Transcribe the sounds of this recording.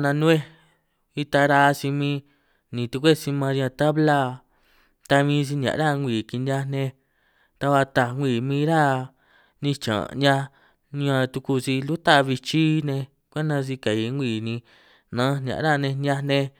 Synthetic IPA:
nã˧nũ˦e˦ | i˧t̪a˧ɾa˧si˧mĩː˧ | nĩ˨t̪u˧kʷe˦˨si˧mã˧ã˧t̪a˦βla˦ | t̪a˧mĩː˧s̬i˧n˨ã̰˨˧ɾa˦ŋʷ˧iː˨ki˧nʲ˧a˧nẽ˧ | t̪a˧βa˧t̪a˧ŋʷi˨mĩː˦˧˦ɾa˦ | nĩ˧t͡ʃã̰˨nã˧ | ɲã˧t̪u˧ku˧si˧lu˦t̪a˦˧βi˧t͡ʃi˦nẽ˧ | kʷa˦nã˧s̬i˧ka˨i˧˦ŋʷiː˨nĩ˧ | nã˧˦n˨ã̰˨ʔɾa˦˨nẽ˧nã˧nẽ˧

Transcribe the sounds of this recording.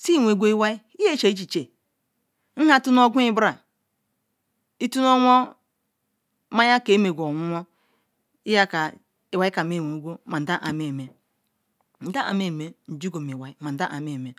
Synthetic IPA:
si˦˨ŋʷe˨˦ɡʷo˦i˦wa˦i˦ | i˦je˦˨t͡ʃe˨i˦t͡ʃi˨t͡ʃe˨ | n̩˦ha˦tu˦n˦o˦ɡʷu˦i˦bɾa˨ | i˦tu˦no˦ŋʷo˦ | ma˦ja˦ke˨˦me˨ɡʷo˨ŋʷu˦ŋʷo˦ | i˦ja˦ka˨ | i˨wa˨i˦ka˨me˦˨wʷe˨˦ɡʷo˦ma˨n̩˨da˦ʔa˨me˦˨me˨ | n̩˨da˦ʔa̰˨m˦e˦˨me˨n̩˨d͡ʒu˦ɡo˨mi˨wa˨i˦ma˨n̩˨da˦ʔa˨me˦˨me˨

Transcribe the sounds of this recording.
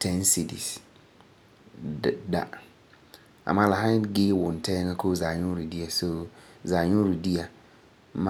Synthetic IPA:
tʰɛ̃˦n˦si˨dḭ˨s | da̰˨ | a̰˨mã˦la˨hã˦ɡɪ˦wʊ̃˨n˨tʰɛ˦ŋa˦kʰo˦za˨ɲʊ˦ɾu˨di˦a˨so˨za˨ɲʊ̃˦ɾu˨di˦a˨ | ma˦

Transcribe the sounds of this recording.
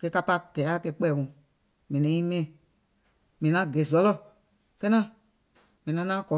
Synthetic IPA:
kɛ˧˦ka˧pa˦˧ɡ̥ɛ˨˦a˦˨kɛ˧k͡pɛː˦˨wũ˨ | mɛ̃˨nɛ̃˨˦ĩ˦mɛ̃˦˨ | mĩ˨nã˨˦ɡe˨zɔ˨˦lɔ˦˨ | kɛ˦nã˦ | mɛ̃˨nã˨˦nãː˦kɔ˨

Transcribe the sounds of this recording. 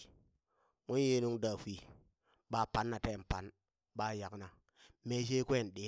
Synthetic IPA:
ŋu˦nje˦nu˦ŋda˨fʷi˨ | ɓa˨pa˨˦nːa˨te˦˨m˨pa˨˦n | ɓa˦ja˨kna˨ | me˦ʃ̬e˦kwe˦˨n˨ɗe˨˦

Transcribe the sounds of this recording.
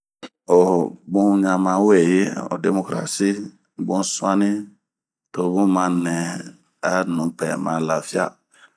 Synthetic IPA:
o˨bũ˦ɲã˨mã˨˦we˨je˦o̰˨de˨mo˦kɾa̰˨si˦ | bũ˦sũ˦a˦nĩ˦ | to˨bũ˦mã˦nɛ̃˨ | a˦nũ˨pɛ˨mã˨la˨fi˦a̰˦

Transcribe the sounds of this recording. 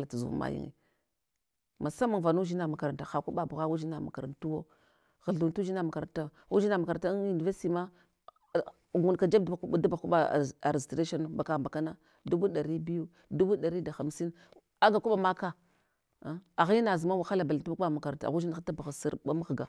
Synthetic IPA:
la˨tu˨zṵ˨˦ma̰˨˦jḭ˦ŋḭ˨ | ma˨sa˦ma˨ŋva˨nu˦ʒi˦na˨ma˨ka˨ɾa˨nta˨xa˨ku˦ɓa˨bu˨ɣa˦ɣu˦ʒi˦na˨ma̰˨ka˨ɾa˨ntu˦wo˦ | ɣa˨ɮu˨n˦tu˦d͡ʒi˦na˨ma˨ka˨ɾa˨ta˦ɣu˦i˦na˨ma˨ka˨ɾta˦u˨ni˨ve˦sti˨ma˦ | ɡu˨nka˨d͡ʒa˦dba˨ku˦a˦da˦ba˨ku˦ɓa˦˨a̰˨ɾe˨stɾe˦ʃo˦n˨ba˨ka˨mba˨ka˦na˦ | du˦bu˦ɗa˨ɾi˦bi˦ju˦ | du˦bu˦da˨ɾi˦da˨xa˨m˦si˦n | a˦ɡa˨ku˦ɓa˨ma˦ka˦ | a˨ɣi˦ji˦na˨zi˨ma˦wa˨xa˦la˨ba˨ltu˦ba˦ku˦a˦ma˨ka˨ɾa˨ta̰˨ɣu˦i˦na˦xa˦ta˦ba˨ɣa˨si˦ɾba˦ma˦ɣɡa˨

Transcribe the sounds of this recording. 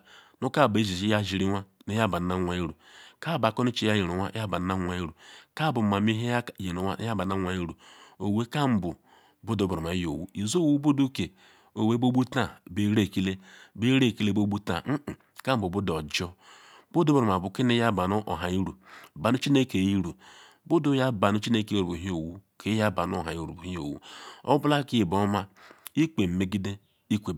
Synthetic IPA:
nu˦ka˦˨ba˨i˦zi˨zi˦ja˦ʒi˨ɾi˦ŋʷa˦ne˦ja˦˨ba˨n˦na˦ŋʷa˨i˦ɾu˨ka˦˨ba˨kɔ˦ni˦t͡ʃi˦ja˦je˨ɾu˨wʷa˦a˦ba˨n˦na˦ŋʷa˨i˦ɾu˨ka˦˨bu˨ma˨mi˦ɦe˦jje˨ɾu˨wʷa̰˦ja˦ba˨na˦ŋʷa˨i˦ɾu˨o˨we˦ka˦m̩˦bu˨ | bu˦do˨˦bɾma˨i˦jo̰˨wṵ˦i˨zo˦wu˦bo˦du˦ke˨ | o˨we˦bo˦bu˦ta˦˨be˦ɾe˦˨ki˦le˦be˦ɾe˦˨ki˦le˦bo˦bu˦ta̰˨m̩˦˨ | ka˦m̩˦bu˨bu˦dɔ˨d͡ʒɔ˦ | bu˦do˦bɾo˨ma˨bu˨ke˦ne˦ja˦ba˨n˦ʔɦa˨i˦ɾu˨ba˨nu˦t͡ʃi˦ne˦ke˨i˦ɾu˨ | bu˦du˨˦ja˦ba˨nu˦t͡ʃi˦ne˦kɾu˨bu˨ɦi˦o˨wu˦kʰe˦ja˦ba˨no˦˨ɦa˨ji˦ɾu˨bu˨i˦o̰˨wṵ˦o̰˦bla˦ki˦˨bɔ˦ma˦i˦ke˨m̩˨me˦ɡi˦de˦ | i˦kʷe˨

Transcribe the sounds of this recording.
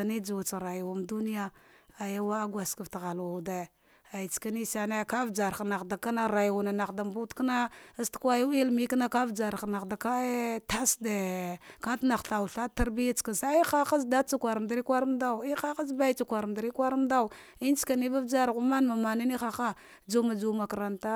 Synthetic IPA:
ni˦d͡ʒu˨wu˨t͡sɾa˨jwu˨mdu˦ni˦ja˦a˨ja˦wa˦ɡʷa˨ska˨vtɣa˨lwa˨da˨ | a˨i˨t͡ska˦ni˦sa˨na˦˨ka˦vd͡ʒa˨ɾna˨xda˨ka˦na˦ɾa˨jwu˨na˨na˨da˨mbu˦tka˦na˦stkʷa˦ju˦i˦lmi˦kna˦ka˦vd͡ʒa˨ɾna˨da˨ka˦ta˦sda˨ka˦tna˨ɬa˨wu˨ɬa˦ta˦ɾbi˦ja˦t͡ska˨sa˦i˦xa˦xa˦s̬da˦t͡sa˦kʷa˨ɾm˨da˦ɾi˦kʷa˦ɾmda˦˨i˦a˦xa˦sba˦i˦t͡sa˨kʷa˨ɾm˨da˨ɾi˦kʷa˦ɾmda˦u˨ | i˦n˦t͡ska˨ni˦ba˦vd͡ʒa˦ɾɣu˦ma˦nma˨ma˨na˦ni˦xa˨xa˦ | d͡ʒu˦ma˨d͡ʒu˦ma˨ka˨ɾa˨nta˦

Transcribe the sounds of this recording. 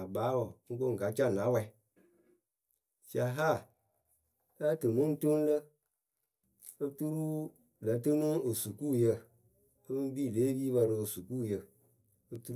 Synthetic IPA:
a˨baː˨˦wɔ˨ŋ̩˦ko˦ŋ̩˨ka˨˦t͡ʃa˦˨na˨˦wɛ˧˨˦ | t͡ʃa˨ɦa˦˨˦ | a˦tɨ˨mo˦n˦to˦n˦lə˦ | o˦tu˦ɾu˦ | la˨˦tɨ˦no˦o˨su˨kuː˦jə˧˨ | ə˦bɨ˦m˦biː˦˨leː˨˦biː˦ba˧ɾə˧o˨su˨kuː˦˨jə˨ | o˦tu˦

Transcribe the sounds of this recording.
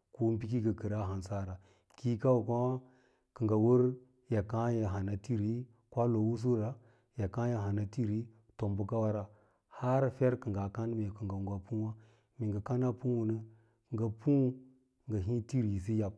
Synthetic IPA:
ko˦m˦pi˦ki˦ɡə˨kə˨ɾa˦ɦa˨nsa˦ɾa˨ | ki˦ka˦wu˨kʷa˦ | kə˨ŋɡa˨wu˦ɾ | ja˨ka˦ja˨ɦa˨na˨ti˦ɾi˦ | kʷa˦lo˨wu˦s̬u˦ɾa˨ | ja˨ka˦ja˨ɦa˨na˨ti˦ɾi˦ | to˨mbu˦ka˦wa˦ɾa˨ | ha˦ɾfe˦ɾkə˨ŋɡa˨ka˦n˦me˨kə˨ɡa˨ŋɡa˨pu˦wa˦ | mi˨ŋɡa˨ka˦na˦pu˦wu˨nə˦ | kŋɡa˨pu˦ | ŋɡa˨ɦi˦ti˦ɾi˨s̬i˦ja˨p̚

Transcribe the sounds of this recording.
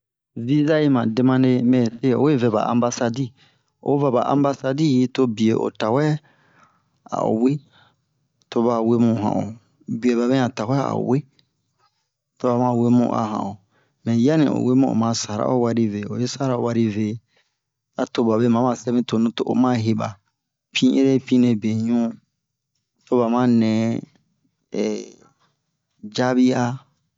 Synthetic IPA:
vi˦za˦i˦mã˨de˦mã˦ne˦mɛ̃˨se˦˨o̰˦e˦vɛ˨ba̰˨ʔã̰˨mba˦sa˦di˦ | o̰˨˦va˨ba̰˨ʔã̰˨mba˦sa˦di˦ji˦to˦bi˨e˨ʔo̰˨ta˨wɛ˦ | a̰˨o̰˨we˦ | to˦βa˨we˦mũ˨ɦã̰˨o˨ | bi˨e˨ba˨bɛ̃˦ã˨ta˨wɛ˦a̰˨o̰˨we˦ | to˨ba˨mã˨we˦mṵ̃˨ʔa̰˨ɦã̰˨o˨ | mɛ̃˨ja˦nḭ̃˨o̰˨we˦mũ˦˨o̰˨mã˦sa˨ɾa̰˦o˦wa˦ɾi˦ve˨o˨je˦sa˦ɾa˨o˨wa˦ɾi˦ve˨ | a˨to˨ba˨be˦mã˨˦mã˨sɛ˦mĩ˦to˨nũ˦to˦ʔo̰˨mã˦ɦe˨ba̰˨ | pʰĩ˦ʔḛ˦ɾe˦pĩ˦nẽ˨be˨ɲũ˦ | to˦ba˨mã˦nɛ̃˨˦ | ɛ˨ | d͡ʒa˦bi˦a˦

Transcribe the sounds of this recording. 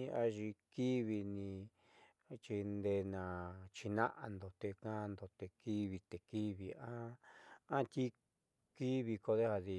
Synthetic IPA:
ĩ˧a˧ʒi˧ki˦βi˧nĩ˧ | t͡ʃi˧nd̪e˧nã˨t͡ʃi˧nã̰˦ʔa̰˧nd̪o˨t̪e˧kã˦˧nd̪o˨t̪e˧ki˦βi˧t̪e˨ki˦βi˨ã˦ã˦t̪ʲi˦ | ki˦βi˧ko˧ðe˦ha˧ði˧

